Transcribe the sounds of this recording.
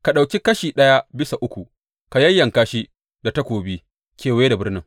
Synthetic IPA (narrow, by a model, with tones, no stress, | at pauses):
ka˨ɗa˨wkʲi˦kɐ˦ʃiː˨ɗɐ˦ja˦bɪ˦sa˨ʔʊ˦kʷu˨ | ka˨jɐ˦jːɐ˨ŋkaː˦ʃi˦ | da˨tɐ˦kʷoː˨biː˦ | kʲʰeː˨weː˦da˨bɪ˦rnɪ˦ŋ